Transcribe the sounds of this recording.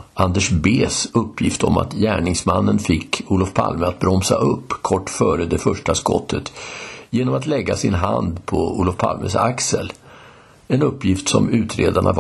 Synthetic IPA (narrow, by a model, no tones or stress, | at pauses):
ʔand̪ɛʂbeːsɵpːjɪft̪ɔma̰t̪jæːɳɪŋsmanːənfɪkːuːlɔfpʰa̰lməat̪̚bɾɔmsaʔɵpːkʰɔʈːfœːɾəd̪ɛfœʂʈaskɔ̰t̪ʰːət̪jeːnɔmat̪lɛɡːasɪnɦand̪pʰɔuːlɔfpʰa̰lmʔəsaksəl | ɛnɵpːjɪft̪sɔmʉ̟ːt̪ɾeːd̪aɳa̰v